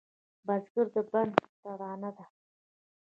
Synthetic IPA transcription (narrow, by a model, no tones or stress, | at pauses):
bazɡuɾd̪əband̪t̪aɾɑːnad̪a